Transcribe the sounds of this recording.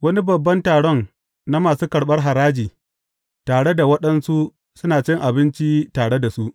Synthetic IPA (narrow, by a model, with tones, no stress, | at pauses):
wɐ˦ni˦bɐ˨bːɐ˦ntaː˨ɽɔ˦n | na˦maː˨suː˦kɐ˨ɽɓɐ˦rɦa˨ɾaː˦d͡ʒiː˨ | taː˨ɽe˦da˨wɐ˦ɗɐ˦nsu˦ | sʊ˦naː˨t͡ʃɪ˦ŋʔa˨bɪ˦nt͡ʃi˦taː˨ɽe˦da˨su˦ʔ